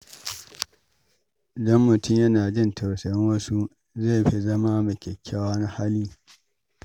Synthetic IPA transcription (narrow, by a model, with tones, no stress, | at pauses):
dɐ˦mːʊ˨tʊ˦˨mjɐ˦naː˨d͡ʒɪ˦ntʰɐ˨wsɐ˨jɪ˦ŋwɐ˦su˦ | ze˦˨ɸi˦zɐ˦ma˦mɐ˨kʲɛ˨kʲʰːaː˦waː˦na˦ha˦liː˦